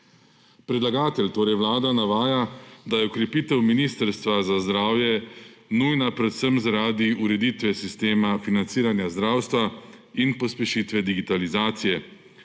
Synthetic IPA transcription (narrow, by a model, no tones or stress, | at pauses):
pɾɛd̪laɡaːt̪ɛlt̪oːɾɛjwlaːd̪anaʋaːjad̪ajɛɔkɾɛpiːt̪ɛwminiːst̪əɾst̪ʋazazd̪ɾaːwjɛnujnapɾɛt̪səmzaɾaːd̪iuɾɛd̪iːt̪ʋɛsist̪eːmafinant̪siːɾanjazd̪ɾaːwst̪ʋainpɔspɛʃit̪ʋɛd̪iɡit̪alizaːt̪sijɛ